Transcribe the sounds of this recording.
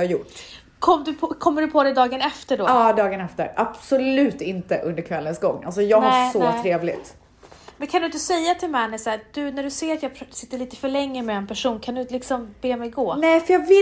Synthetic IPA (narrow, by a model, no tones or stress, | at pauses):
ajʊʈ | kʰɔmːd̪ɵpʰɔkʰɔmːəɖɵpʰɔd̪ɛjd̪ɑːɡənɛft̪əɖɔɑːd̪ɑːɡənɛft̪ə̰ɾʔab̥sɔlʉ̟ːt̪ɪnt̪əʔɵnd̪əɾkʰvɛlːənsɡɔŋːalsɔjɑːɡ̪hasɔt̪ʰɾeːvlɪ̰t̪ | mɛnkʰand̪ʉnt̪əsɛjːat̪ʰɪlmɛnəsæːɾd̪̥ɵnæɖɵseːɾat̪jɑːsɪt̪ːəɭiːt̪ə̥fœɭɛŋːəmɛɛnpʰæʂuːnkʰand̪ɵlɪksɔmbeːmɛjɡoːnɛfœjɑːvɪ